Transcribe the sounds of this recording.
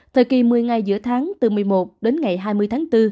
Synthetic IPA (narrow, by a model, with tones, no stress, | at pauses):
t̪ʰə˨˩jki˨˩mɨ˨˩əjŋa˨˩jzɨ̰˧˥ət̪ʰaː˨˦ŋt̪ɨ˨˩mɨ˨˩əjmo˨˩t̚ɗe˨˦nŋa˨˩jɦaː˧jmɨ˧əjt̪ʰːŋt̪ɨ˧